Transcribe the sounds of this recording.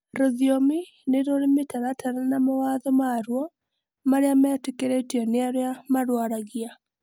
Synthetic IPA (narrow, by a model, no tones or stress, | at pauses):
ɾoðjomi | neɾoɾemetaɾatʰananamawaðɔmaɾwɔ | maɾeamaatekeɾetiɔneaɾeamaɾwaɾaɣia